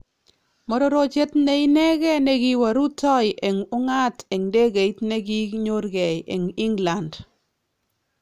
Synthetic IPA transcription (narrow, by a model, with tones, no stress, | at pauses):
mɔ˦ɾɔ˦ɾo˦t͡ʃe˦t̪ne˦ɪ˦nɛ˦ɡɛ˦ne˦ɡɪ˦wa˨ɾu˦tɔ˦ɪ˨ʔe˨ŋʊ˦ŋa˦te˨ŋde˦ɡe˨i˦tne˦ɡi˦ɲo˦ɾɡɛ˨jḛ˨ŋɪ˦ŋla˨nd